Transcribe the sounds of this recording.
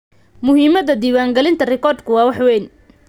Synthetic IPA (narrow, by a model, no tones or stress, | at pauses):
mʊhiːmɐdɐd̪iːwaːŋɡɐlɪnt̪ʰɐrɛkɔːrd̪kʰʊwɑːwɑħwɛːn